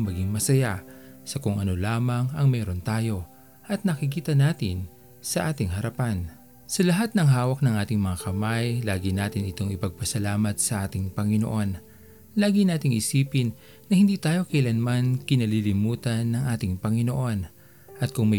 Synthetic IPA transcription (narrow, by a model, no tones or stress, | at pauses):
mɐɡɪŋmɐsɐjasɐkʊŋʔɐno̞laːmɐŋɐŋmɛːɾo̞nt̪aːjo̞ | ʔɐt̪̚nɐkɪkiːt̪ɐnaːt̪ɪn | sɐʔaːt̪ɪŋɦɐɾɐpan | sɐlɐɦat̪̚nɐŋɦaːwɐk̚nɐŋʔaːt̪ɪŋmɐŋakɐmajlaːɡɪnaːt̪ɪnɪt̪o̞ŋɪpɐɡ̚pɐsɐlaːmɐt̪̚sɐʔaːt̪ɪŋpɐŋɪno̞̰ʔo̞n | laːɡɪnaːt̪ɪŋʔɪsiːpɪnː | ɐhɪnd̪iːt̪aːjo̞kɐʔɪlɐnmankɪnɐlilɪmuːt̪ɐnːɐŋʔaːt̪ɪŋpɐŋɪnoʔo̞n | ʔɐt̪̚kʊŋmɐ